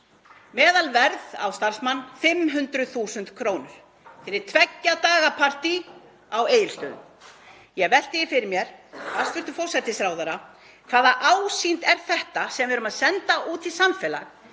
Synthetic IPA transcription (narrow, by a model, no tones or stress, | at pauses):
mɛːðalvɛɾða̰wst̪ar̥smanːfɪmɦʏnt̪ɾʏθuːsʏnt̪kʰɾoːwnʏɾ̥ | fɪɾɪɾ̥t̪ʰvɛcːat̪aːɣapʰar̥t̪i | aweːjɪlt̪ʏð | jɛɣvɛl̥t̪ɪjɪfɪɾɪɾmjɛɾ̥fasvʏlt̪ʏfɔwr̥sɛt̪ːɪsɾaːwðaɾa | kʰvaːðaʔaːwsint̪ɛɾ̥θɛht̪asɛmvɪɾʏmaðsɛnt̪aʔuːt̪ʰɪsamfɛːla̰ɣ